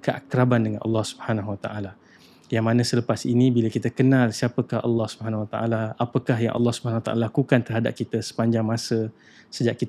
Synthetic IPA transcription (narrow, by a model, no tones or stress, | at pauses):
kəʔakɾabandəŋanʔɑ̰lːɑhsu̥bəhanaɦwat̪a̰ʔala | jaŋmanə̃sələpasinibilakit̪əkənalsiapəkahɑ̰lːɑhsubəɦanawat̪aʔalaapəkahja̰ŋʔɑ̰lːɑhsubəhanawat̪a̰ʔa̰lalakukant̪ərɦada̰p̚kit̪əsə̥paɲd͡ʒaŋmasə | səd͡ʒaʔkit̪